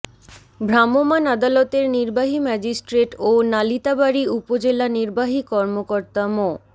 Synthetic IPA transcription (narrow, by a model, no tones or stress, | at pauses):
bʱɾamomanad̪alot̪eɾniɾbaɦimɛd͡ʑisʈɾeʈonalit̪abaɾiupod͡ʑelaniɾbaɦikɔɾmokoɾt̪amo